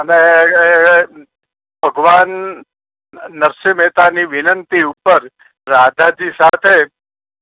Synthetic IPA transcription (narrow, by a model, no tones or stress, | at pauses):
əne | bʱəɡʋan | əɾʃəmet̪aniʋɪnənt̪iupəɾ | ɾad̪ʱad͡ʒisat̪ʰe